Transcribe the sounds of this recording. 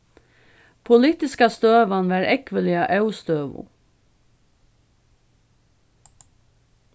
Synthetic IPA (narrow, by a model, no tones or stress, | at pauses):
pʰʊlɪːt̪ɪskɑst̪øːʋɑnʋæːɾʔɛkʋəlɪɑʔɑʉst̪øːʋʊ̰